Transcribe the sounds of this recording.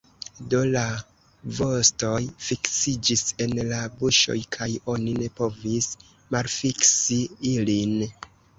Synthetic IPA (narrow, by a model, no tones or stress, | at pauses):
do̞la | vo̞sto̞jfiksid͡ʒise̞nlabuʃo̞̰jkʰajo̞nine̞po̞vis | malfiksiilin